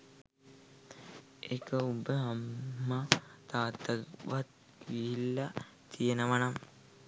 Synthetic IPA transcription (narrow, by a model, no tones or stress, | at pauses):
ekəubəɦamːat̪aːt̪əʋat̪̚ | ʋiilːa | t̪ijenəʋanam